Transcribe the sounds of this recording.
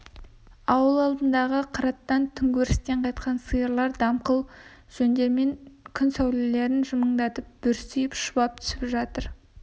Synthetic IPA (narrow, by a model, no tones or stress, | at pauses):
ɑwəlˠɑlˠd̪ənd̪ɑʁəqʰɑɾɑt̪ːɑnt̪ʰʏŋɡʲɵɾɪst̪e̞ɴqʰɑjt̪̚qɑnsɨjəɾlˠɑɾd̪ɑmqəlˠ | ʒ̥ɵnd̪e̞ɾme̞ŋkʲʰʏnsæwlele̞ɾɪnʒʊməɴd̪ɑt̪əp̚b̥ʏɾsyjɪpʃʊbɑp̚t̪ʰʏ̥sɪpʒɑt̪əɾ